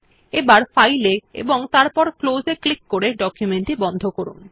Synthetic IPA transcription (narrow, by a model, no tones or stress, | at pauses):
ebaɾfajleḛboŋt̪aɾpɔɾklozeklikːoɾeɖɔkjumeɳʈibɔnd̪ʱokoɾṵn